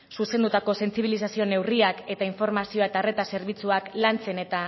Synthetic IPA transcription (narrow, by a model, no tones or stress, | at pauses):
suse̞nd̪ut̪ako̞se̞nt͡siβ̞ilisasio̞ne̞wriake̞t̪aiɱfo̞ɾmasio̞et̪are̞t̪ase̞ɾβit͡suaklant͡se̞ne̞t̪a